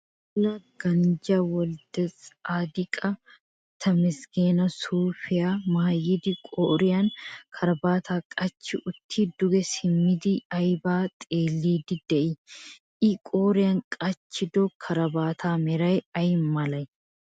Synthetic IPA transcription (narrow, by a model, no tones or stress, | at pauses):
ʊlɐɡ̥ɐnd͡ʒaːwɔld̪ɐt͡saːd̪ɪkʼɐ | t̪ʰɐmɪsɡeːnɐsuːfɪjamaːjɪd̪ɪkʼoːɾɪjankʰɐɾɐbaːt̪ʰaːkʼɐt͡ʃːɪʔʊt̪ʰːiːd̪ʊɡɛsɪmːɪd̪iɐjbaːt̪ʼeːlːiːd̪ɪd̪̥ɛʔɪ | ʔɪkʼoːɾɪjaŋkʼɐt͡ʃːɪd̪okʰɐɾɐbaːt̪ʰaːmɛɾɐjɐjmɐlɐj